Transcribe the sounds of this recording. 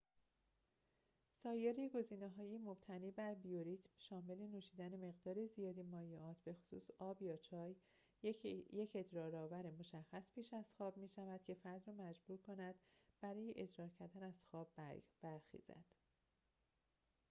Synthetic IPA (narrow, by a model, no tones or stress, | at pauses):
sɒːjeɾiɡo̞ziːneɦɒːjemob̥̚t̪ʰæniːbæɾbijoɾiːt̪ʰmʃɒːme̞le̞nuːʃiːd̪æneme̞ɣd̪ɒːɾezijɒːd̪imɒːjeɒːt̪ʰbe̞xo̥sṵːsɒːbjɒːt͡ʃʰɒːj | jecʰe̞d͡ʒ̪ɾɒːɾɒːvæɾemo̞ʃæxːæspʰiːʃæz̥xɒːbmiːʃævæd̪̥cʰe̞fæɾd̪ɾɒːmæd͡ʒbuːɾkʰonæd̪̥b̥æɾɒːjeʔed̪ɾɒːɾcʰæɾd̪ænæz̥xɒːbbæɾxḭːz̥æ̰d̪̥